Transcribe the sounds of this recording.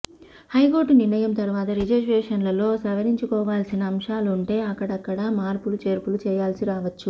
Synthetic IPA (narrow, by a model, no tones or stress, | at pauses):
hɐjko̞ːɾʈuniɾnɐjɐmt̪ɐɾuʋaːt̪ɐɾid͡ʒɐsʈeːʂɐnlɐlo̞ːsɐʋɐɾiɲt͡ʃukɔːʋaːlsinɐːmʂaːluɳʈe̞ːɐkːɐɽɐkːɐɽɐmaːɾpulut͡ʃe̞ːɾpulut͡ʃɛːjaːlsiɾaːʋɐt͡ʃːu